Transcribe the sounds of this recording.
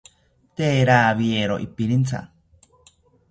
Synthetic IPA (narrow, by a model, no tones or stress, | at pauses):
t̪eɾaβieɾoʔḭpiɾint͡sa̰